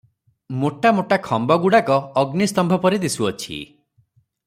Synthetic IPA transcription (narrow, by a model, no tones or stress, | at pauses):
moʈamoʈakʰɔmbɔɡuɽakɔːɡnist̪ɔmbʱɔpɔɾid̪isuɔt͡ʃʰḭ